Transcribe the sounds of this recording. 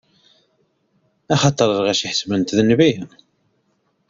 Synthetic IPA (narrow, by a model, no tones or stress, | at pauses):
æχɑt̪ˤəɾˤəɾʁæʃiħə̥smənt̪ðənvi